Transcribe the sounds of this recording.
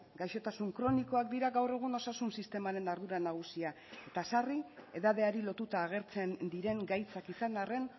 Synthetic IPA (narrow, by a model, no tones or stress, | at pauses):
ɡajʃo̞t̪asuŋkɾo̞niko̞ak̚d̪iɾaɣawre̞ɣ̞uno̞sasunsist̪e̞maɾe̞naɾðuɾanaɣ̞usia | e̞t̪asarie̞ðað̞e̞aɾilo̞t̪ut̪aːɣ̞e̞ɾt͡se̞nd̪iɾe̞ŋɡajt͡sakisanare̞n